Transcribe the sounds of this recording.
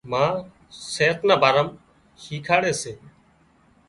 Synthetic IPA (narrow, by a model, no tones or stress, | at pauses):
mãː | seːt̪nãːbaːɾəm | hiːkʰaːɽeːseː